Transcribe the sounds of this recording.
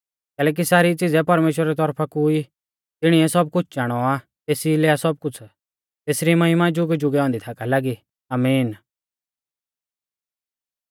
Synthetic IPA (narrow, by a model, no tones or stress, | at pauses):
kɛːlɛːk̬isaːɾit͡sɪd͡zɛpɐɾmeːʃ̬wɾaɾɛt̪̬ɔɾpʰakui | t̪ɪɽ̃iɛsɐb̚kʊt͡ʃʰd͡ʒaːɽ̃ɔa | t̪eːsilɛːasɔb̚kʊt͡sʰ | t̪eːsɾimɐɦɪmad͡ʒʊɡd͡ʒʊɡɛɔ̃ːnd̪it̪ʰaːkalaːɡi | aːmiːn